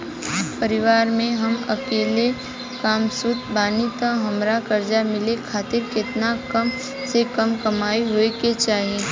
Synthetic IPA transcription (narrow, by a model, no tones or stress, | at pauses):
pəɾɪʋaːɾmẽɦɐmɐ̰keːle | kaːmsʊt̪̚baːnit̪ãɦɐmɾakɐɾd͡ʒamɪlekʰaːt̪ɪɾkɪt̪nakɐm | sekɐmkɐmaːiɦoeket͡ʃaːɦiẽː